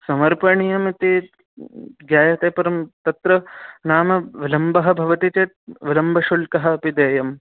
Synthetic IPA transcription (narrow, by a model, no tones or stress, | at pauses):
sɐmɐɾpɐɳijɐmit̪i | ɡjaːjɐt̪eːpɐɾɐmt̪ɐt̪ɾɐnaːmɐʋilɐmbɐɦɐ̆bʱɐʋɐt̪it͡ʃeːt̪̚ʋilɐmbʱɐʃulkɐɦɐ̆ɐpid̪eːjɐm